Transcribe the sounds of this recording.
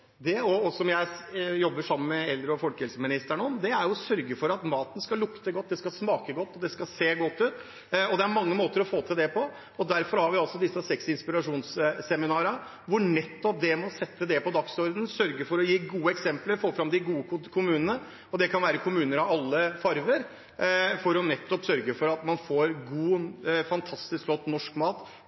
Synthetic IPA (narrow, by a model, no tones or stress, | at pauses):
d̪ɛɔɔsɔmjæɪjɔbːəʂɑmːənmɛɛld̪ɾəɔfɔlkəhɛlsəmɪnɪst̪æɳəɔmd̪ɛæɾjʊsœɾɡəfɔɾɑt̪mɑːt̪ən̩skɑlʊkt̪əɡɔt̪̚ːd̪ɛskɑsmɑːkəɡɔt̪ːɔd̪ɛskɑseːɡɔt̪ːʉːt̪ | ɔd̪ɛæɾmɑŋːəmoːt̪əɾɔfoːt̪ʰɪld̪ɛpʰɔ | ɔd̪æɾfɔɾhɑɾʋɪɑlsɔd̪ɪsːəsɛksɪnspɪɾɑʂuːnsːɛmɪnɑːɾə | ʋʊɳɛt̪ːɔp̚d̪ɛmɔsɛt̪ːəd̪ɛpɔd̪ɑksɔɾd̪n̩sœɾɡəɾfɔɾɔjiːɡuːəɛksɛmpləɾfoːfɾɑmd̪ɪɡuːəkʰʊmʉːnənə | ɔd̪ɛkʰɑnʋæːɾəkʰʊmʉːnəɾɑʋɑlːəfɑɾʋəɾ | fɔɾɔnɛt̪ːɔpsœɾɡəfɔɾɑt̪mɑnfoːɾɡuːfɑnt̪ʰɑst̪ɪsklɔt̪ːnɔʂkmɑːt̪